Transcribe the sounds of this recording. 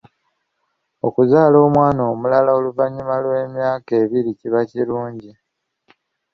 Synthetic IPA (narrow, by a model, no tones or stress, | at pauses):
o̞kuzaːlo̞ːmwaːnoːmulalao̞luvaɲːumalwe̞ːmjaːke̞ːβiɾiciβaciɾuːɲɟi